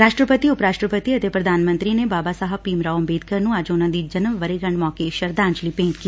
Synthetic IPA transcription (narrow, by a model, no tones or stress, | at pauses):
ɾaːʃʈɾəpət̪iːʊpɾaːʃʈɾəpət̪iːət̪eːpɾəd̪aːnmə̃nt̪ɾiːneːbaːbaːsaɦapiːmɾaːʊmbeːd̪̚kəɾnũːɐd͡ʒʊnãːd̪iːd͡ʒənəʋʋəɾeːɡəɳmɔːkeʃəɾd̪ãːɲd͡ʒliːpẽːnt̪ki